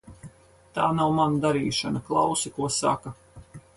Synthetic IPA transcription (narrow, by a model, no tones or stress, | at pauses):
t̪aːnawmand̪aɾiːʃanaklˠɑwsikuɔsa̰ka